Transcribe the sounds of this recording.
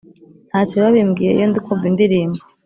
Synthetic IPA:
n̥haːt͡ʃoβaβimɡiːɾeḭjondikʰovindiɾiːmbo

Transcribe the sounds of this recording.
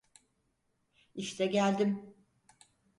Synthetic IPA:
iʃt̪ʰɛɟælʲd̪im

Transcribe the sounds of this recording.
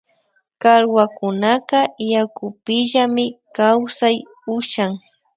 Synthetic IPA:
kaɾwakʊnaqɑjakʊpɪʒamɪkawsaj | ʊʃaŋ

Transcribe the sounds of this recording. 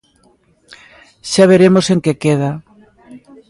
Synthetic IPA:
ʃaβ̞eɾemoseŋkekeða

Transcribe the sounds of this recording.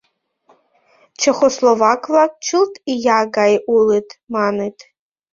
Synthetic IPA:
t͡ʃʰɐχoslovakʰʼlak̚t͡ʃʰɨltʰʼijaɡajʔulɨtʰʼmanɨtʰʼ

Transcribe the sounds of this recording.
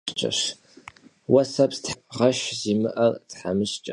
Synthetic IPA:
t͡ʃʼɐ̰ʂ | wɐsɐpstʁɐʃzimɨʔɐrdħamɨɕt͡ʃʼɐ

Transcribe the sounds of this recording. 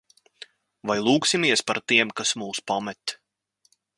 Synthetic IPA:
vajlˠuːksimiɛspaɾt̪iɛmkasmuːspamɛt̪

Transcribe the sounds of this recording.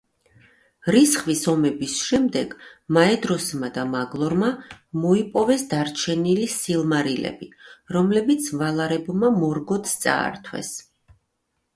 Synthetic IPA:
ɾisχvisɔmɛbisʃɛmd̪ɛɡ̥maɛd̪ɾɔsmad̪amaɡlˠɔɾmamɔipʼɔvɛsd̪aɾt͡ʃʰɛnilisilˠmaɾilɛ̰biɾɔmlɛbit̪sʰvalˠaɾɛbmamɔɾɡɔt̪st̪sʼa̰ːɾt̪ʰwɛ̰s

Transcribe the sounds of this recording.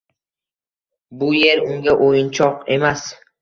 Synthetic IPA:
bujeɾʊŋɡʲaʔojint͡ʃʰɒqemas

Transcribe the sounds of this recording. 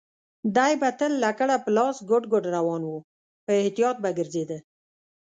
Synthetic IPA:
d̪ajbat̪əlːakəɽapəlɑsɡʊɖɡʊɖɾawɑnwu | pəɪht̪ijɑt̪̚baɡəɾzed̪ə

